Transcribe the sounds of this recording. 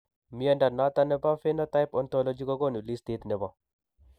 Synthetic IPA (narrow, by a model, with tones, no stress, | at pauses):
mi˦a˦nda˨na˦t̪a˦nɛ˦ba˦fɪ˦nɔ˦ta˦jpɔ˦ntɔ˦lɔ˦d͡ʒi˦kɔ˦ɡo˦nu˨li˦sti˦t̪nɪ˨bɔ˦